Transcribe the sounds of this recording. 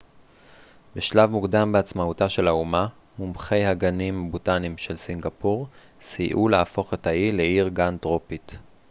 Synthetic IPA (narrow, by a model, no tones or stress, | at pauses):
beʃlavmukdambeat͡smautaʃe̞lauma | mumχe̞jhaɡanimabutanimʃe̞lsiŋɡapuʁ | siʔuleafo̞χe̞thaileiʁɡantʁo̞pit